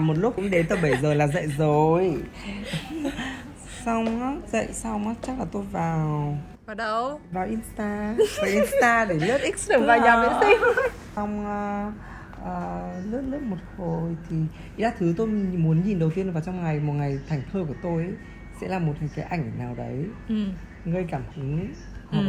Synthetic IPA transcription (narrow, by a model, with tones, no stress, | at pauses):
mo˨˩t̚lʊ˦˥kʊ̰˧˥ŋ͡mɗe˨˦t̪əː˨˩ɓə˧˩jzəː˨˩laː˨˩zə̰˧˨jzo˨˩j | sa˧wŋ͡maː˨˦˥zə̰˧˨jsa˧wŋ͡mʔaː˦t͡ɕa˦˥k̚laː˨˩t̪o˧jvaː˨˩w | ə˧vaː˨˩wʔi˧nst̪aː˧vaː˨˩wʔi˧nst̪aː˧ɗe˧˩lɨ˦˥ət̚ʔi˦˥k̚sɗə˧˩vaː˧ɲa˨˧i˧˦i˧ | a˧wŋ͡mʔː | ʔəː˨˩lɨ˦˥ət̚lɨ˦˥t̚mo˨˩t̚ho˨˩jt̪ʰi˨˩ | i˧˨zaː˧˥t̪ʰɨ˨˦t̪o˧jmu˨˦ənɲi˨˩nɗə˨˩wt̪i˧ənvaː˨˩wt͡ɕɔ˧wŋ͡mŋa˨˩jmo˨˩t̚ŋa˨˩jt̪ʰa˨˧˩jŋ̟t̪ʰəː˧ku˧˩ət̪o˧j | sɛ̰˧˥laː˨˩mo˨˩t̚kaː˨˦jʔa̰˧˩jŋ̟naː˨˩wɗə̰˨˦j | ŋə˧jkaː˧˩mhɨ˨˦ŋ | h